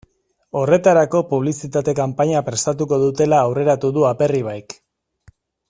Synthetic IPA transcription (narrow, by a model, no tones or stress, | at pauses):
o̞re̞t̪aɾako̞puβ̞lisit̪at̪e̞kampaɲapɾe̞st̪at̪uko̞ðut̪e̞laːwre̞ɾat̪uðuape̞riβ̞ajk